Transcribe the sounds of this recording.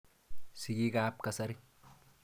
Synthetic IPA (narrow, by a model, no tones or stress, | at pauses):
siɡikaːp̚kɐsɐɾi